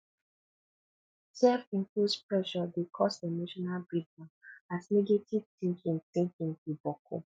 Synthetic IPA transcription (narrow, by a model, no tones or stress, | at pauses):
sɛfĩŋkludspɹɛʃɔdekʰɔsemoʃɔnalbɹid̚mãatnɛɡetiv̥tĩŋkʰĩŋθĩŋkĩŋtubɔkʰo̰